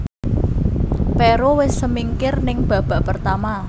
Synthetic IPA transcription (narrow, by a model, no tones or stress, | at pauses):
pɛɾowɪsːəmiŋkɪrnɪŋb̥a̤b̥a̤ʔpərt̪ama